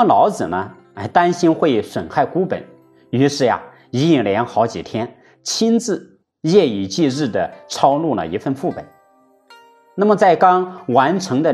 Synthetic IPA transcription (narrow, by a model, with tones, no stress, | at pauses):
ə˧lɑ˧˥ʊt͡sɹ̩˨˩nə˦˧˥ | ɪt̪a˥nɕi˥nxwe˥˩ɪswə˨˩nxa˥˩ɪku˥pə̰˨˩˦n | y˧˥ʂɻ̩˥˩ja̰˨˩ | i˧˥i˥˩ŋljɛ˧˥nxɑ˧˥ʊt͡ɕi˨˩t̪ʰjɛ˥n | t͡ɕʰi˥nt͡sɹ̩˥˧ | jɛ˥˩i˨˩t͡ɕi˥˧ɻɻ̩˥˩d̪ə˩ʈ͡ʂʰɑ˥ʊlu˥˩lə̰˩i˧˥fə˥˧nfu˥˩pə̰˨˩˦ | na˥˩mə˩t͡sa˥˩ɪkɑ˥ŋwa˧˥nʈ͡ʂʰɤ˧˥ŋd̪ə˧